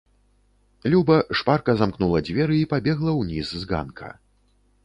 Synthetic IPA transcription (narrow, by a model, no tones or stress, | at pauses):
lʲubɐʂparkɐzamknulˠɐd͡zʲvʲɛɾɨipabʲɛɣlˠɐwnʲizːɣa̰nkʰɐ̰